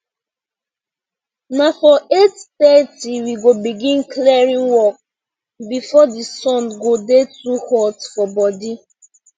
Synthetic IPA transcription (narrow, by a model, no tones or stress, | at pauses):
nafɔetθɛtiwiɡobiɡĩnkliɛɹĩŋwɔk̚ | bifɔdisɔ̃nɡodetuhɔtfɔbɔdi